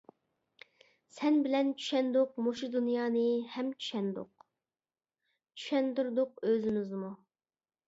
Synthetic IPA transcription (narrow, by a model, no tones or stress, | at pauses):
sɛnbɪlɛnt͡ʃʰy̥ʃɛnd̪ʊq̚moʃud̪unjɑːnɨhɛmt͡ʃʰy̥ʃɛnd̪ʊ̰q | t͡ʃʰy̥ʃɛnd̪uɾd̪ʊq̚øzɪmɪzmu